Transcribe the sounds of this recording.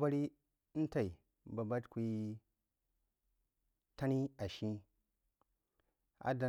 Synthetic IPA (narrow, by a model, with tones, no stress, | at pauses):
ba˦ɾi˦ | n̩˦ta˨i˨ | ba˨ba˦tkʷi˨˦i˦ | ta˦ni˦a˨ʃi˦ | a̰˨˦da˨